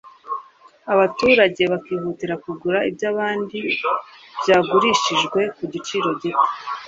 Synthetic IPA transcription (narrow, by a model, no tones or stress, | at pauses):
aβatuːɾaɟe̞βakiːhutiɾakuɡuɾaibjaːβaːndi | b̥ɟaːɡuɾiʃiʒɡwe̞kuɟit͡ʃiːɾo̞ɟite̥